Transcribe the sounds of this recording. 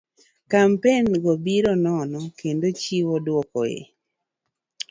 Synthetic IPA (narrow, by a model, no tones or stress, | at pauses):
kampenɡɔbiɾɔnɔnɔkendot͡ʃiwɔdwɔkɔ̰ḛ